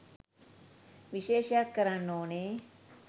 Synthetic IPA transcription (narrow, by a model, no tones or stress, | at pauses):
ʋɪʃeːʃakːəɾənoːne